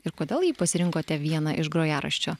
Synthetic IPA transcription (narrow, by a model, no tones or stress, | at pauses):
ɪɾkoːd̪ʲeːlˠjiːpɐsʲɪɾʲɪŋkoːt̪ʲɛʋʲiɛnɐʔɪʒɡɾoːjæːɾɐ̰ʃʲt͡ʃʲoː